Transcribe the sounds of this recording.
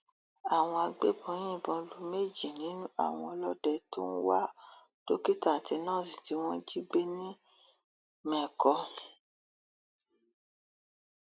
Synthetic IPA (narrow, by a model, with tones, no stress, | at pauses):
a˨w̃ɔ̃˧a˧ɡ͡be˦bɔ̃˨˧˦j̃ĩ˦˨bɔ̃˨˧lu˨˦me˦˨d͡ʒi˨nĩ˨˦nũ˦a̰˦˨w̃ɔ̃˧ɔ˧lɔ˦dɛ˧to˦n̩˦wa˦ | to˦ki˦ta˦˨ti˧˦nãː˦˨si̥˨ti˨˦w̃ɔ̃˦d͡ʒi˦ɡ͡be˦nĩ˦ | mɛ̃˨kɔ˧